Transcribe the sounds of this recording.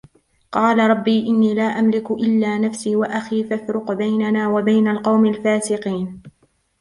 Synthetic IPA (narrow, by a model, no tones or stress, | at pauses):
qɑːlaɾˤɑbːiːʔɪnːiːlaːʔamlɪkʔɪlːaːnafsiːwaʔaxiːfafɾʊqbajnanaːwabajnalqɑwmalfaːsɪqiːn